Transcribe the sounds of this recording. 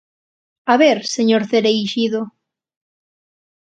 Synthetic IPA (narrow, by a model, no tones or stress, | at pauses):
aβeɾseɲoɾθeɾejʃiðo